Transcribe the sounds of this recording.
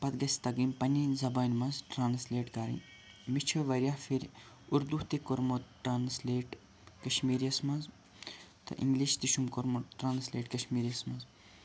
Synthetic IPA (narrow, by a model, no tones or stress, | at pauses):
pɐt̪ɡɐsʲt̪ɐɡimpɐnʲizɐbaːnʲmɐzʈɾaːnsleːʈkɐɾḭn | mit͡ʃʰoʋɐɾʲjahfʰiɾʲ | uɾd̪uht̪ikoɾmoʈɾaːnsleːʈ | kɐʃmiːɾijɐsmɐnz | t̪ʰɐ̰ʔḭŋɡliʃt̪iʃumkoɾmoʈɾaːnsleːʈkɐʃmiːɾijɐsmɐnz